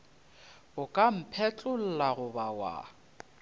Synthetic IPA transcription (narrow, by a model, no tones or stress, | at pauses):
ʊkʼam̩pʰɛt͡ɬʼʊl̩laɣʊbawa̰